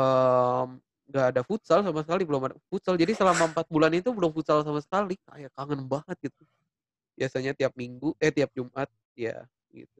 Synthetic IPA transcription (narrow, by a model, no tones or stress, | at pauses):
əm | ŋɡaːdafut̪salsamasəkalibəlʊmfut̪sald͡ʒadisəlamaəmpat̪̚bulanit̪ubəlʊmfut̪̚salsamasə̥kalika̰jakaŋənbahət̪̚ɡit̪u | biasaɲat̪iap̚miŋɡuʔɛt̪iap̚d͡ʒumʔat̪̚ | ja̰ | ɡḭt̪̚u